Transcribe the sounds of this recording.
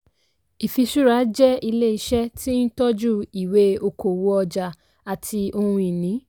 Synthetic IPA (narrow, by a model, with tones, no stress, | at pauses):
i˨fi˧ʃu˦ɾa˧˦d͡ʒɛ˦i˧le˦i˧ʃɛ˦tʰi˦n̩˦tɔ˦d͡ʒu˦i˨we˨˦o˧ko˨wo˧˦ɔ˧d͡ʒa˧ | a˨tʰi˧o˧hũ˧i˨nĩ˨˦